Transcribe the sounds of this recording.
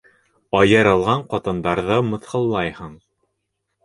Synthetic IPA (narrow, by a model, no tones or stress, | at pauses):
ɑjɤ̆ɾɑlˠʁɑɴqɑt̪ɤ̆nd̪ɑɾðɤmɤ̆θhɤ̆lˠːɑjhɤɴ